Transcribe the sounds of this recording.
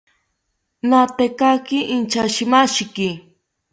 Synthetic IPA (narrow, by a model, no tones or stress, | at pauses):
nat̪ekakɪʔɪnt͡ʃaʃɪmaʃkɪ